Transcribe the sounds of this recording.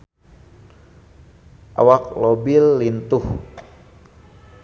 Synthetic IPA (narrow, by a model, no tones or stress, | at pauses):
ʔa̰wak̚lobilːint̪ʊh